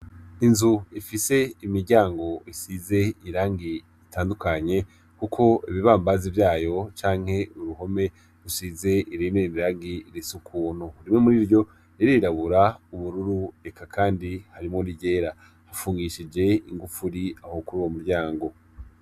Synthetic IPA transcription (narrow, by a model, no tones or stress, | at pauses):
inzuifise̞imiɾɟaːŋɡo̞isize̞iɾaːŋɡi | itaːndukʰaɲe̞ | kukʰo̞iβiβaːmbazivjaːjo̞t͡ʃaːŋ̥he̞ʔuɾuɦo̞me̞ | ɾusize̞ʔiɾimeimiɾaːŋɡiɾisukʰuːn̥huɾimŋemuɾiːɾɟo̞ | niɾiɾaβuɾauβuɾuɾue̞kʰakʰaːndihaɾimŋoɾiɟe̞ːɾa | hafuːŋɡiʃid͡ʒe̞iŋɡufuɾiahokuɾuwomuɾɟaːŋɡo̞